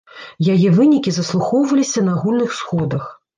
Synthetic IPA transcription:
jajɛvɨnʲikʲizɐslˠuxɔwvɐlʲisʲɐnɐaɣulʲnɨxsxɔd̪ɐx

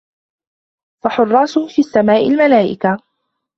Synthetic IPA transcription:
faħʊrˤːɑːsʊhfiːasːamaːʔɪlmalaːʔɪ̰ka

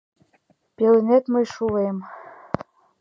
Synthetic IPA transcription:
pʲelɘnʲet̪mɤjʃulejm

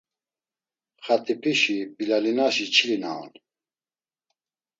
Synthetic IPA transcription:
χat̪ʰʼipʰʼiʃibilalinaʃit͡ʃʰilina̰ɔ̰n

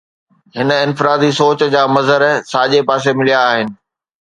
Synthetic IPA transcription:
ɦɪnəɪ̃nfɪɾaːd̪isoːt͡ɕd͡ʑaːmɐzəɾsaːʄepaːs̬emɪlijaːɦɪnɪ̆

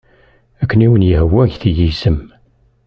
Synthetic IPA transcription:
ækːəniwənjəhwːæʝθijisəm

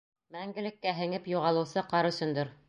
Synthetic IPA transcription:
mæŋɡɘ̆lɘ̆kːæɦɘ̆ŋɘpjuʁɑlˠɤ̆wsɤqɑɾɵ̆sɵ̆nd̪ɤɾ

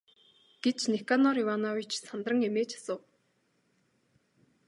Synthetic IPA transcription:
ɡ̥et͡ɕnekanɔɾiwanɔwit͡ɕsant̪rə̆ŋemeːt͡ɕʰḁsə̆w

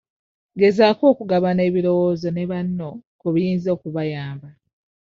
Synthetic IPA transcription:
ɡe̞zaːko̞ːkuɡaβane̞ːβilo̞woːzo̞ne̞βanːo̞kuβijiːnzo̞ːkuβajaːmba

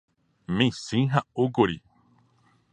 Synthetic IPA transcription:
mẽsĩɦaoɡoɾi

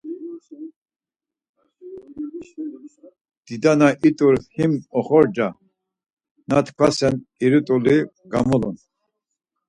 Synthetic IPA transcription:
d̪̥id̪anaʔit̪ʼuɾhimɔχɔɾd͡ʒa | na̰t̪ʰkʷʰasɛniɾut̪ʼuli | ɡa̰mɔlṵn

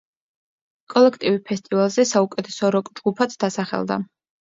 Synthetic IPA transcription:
kʼɔlɛkʰt̪ʼivipʰɛst̪ʼivalˠzɛsaukʼɛt̪ʰɛsɔɾɔkʼd͡ʒɡupʰat̪sʰd̪asaχɛ̰lˠd̪a̰

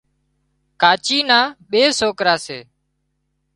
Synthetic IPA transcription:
kaːt͡ʃiːnãːɓeːsoːkɾaːseː

